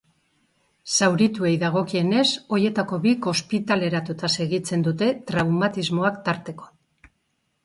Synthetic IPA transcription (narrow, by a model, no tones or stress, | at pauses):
sawɾit̪ue̞jðaɣ̞o̞kie̞ne̞so̞je̞t̪ako̞βiko̞spit̪ale̞ɾat̪ut̪ase̞ɣit͡se̞nd̪ut̪e̞t̪ɾawmat̪izmoakt̪aɾt̪e̞ko̞